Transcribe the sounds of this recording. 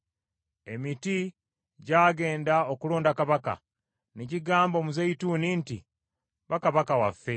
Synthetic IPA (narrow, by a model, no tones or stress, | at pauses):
e̞miti | ɟaːɡe̞ːndaokuloːndakaβaka̰ | neciɡaːmbo̞ːmuzeituninti | βakaβakawa̰fːe̞